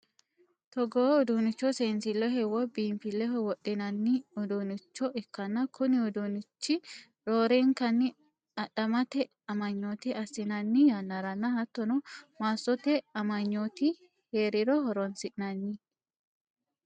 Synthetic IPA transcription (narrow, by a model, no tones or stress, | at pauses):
t̪ɔɡoːʊd̪unɪt͡ʃːɔseːnsɪlːɔhɛwɔbiːmfɪlːɛɦɔwɔɗːɪnɐnːɪʊd̪unɪt͡ʃːɔʔɪkːɐnːɐkʰʊnɪʊd̪unɪt͡ʃːɪ | ɾoːɾeŋkɐnːɪ | ɐᶑɐmɐt̪ɛ | ɐmɐɲːoːt̪ɪʔɐsːɪnɐnːɪjɐnːɐɾɐnːɐhɐt̪ːɔnɔmaːsɔt̪ɛɐmɐɲːoːt̪ɪ | heːɾɪɾɔhɔɾɔnsɪʔɪnɐnːɪ